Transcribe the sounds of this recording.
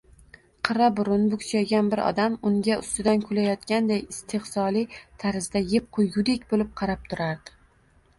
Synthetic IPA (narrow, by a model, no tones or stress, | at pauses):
qʰɨɾabʊɾʊnbʊkʰʲt͡ʃʰajɡʲanbɪɾɒ̰d̪amʊŋɡʲaʊ̰st̪ɪd̪ankʰʊlajɒt̪kʲand̪ajɪst̪ʰehsɒlˠit̪ʰaɾɪzd̪ajep̚qʰʊjːʊd̪ekʲbolɪp̚qʰɑɾap̚t̪ʰʊɾaɾd̪ɪ̥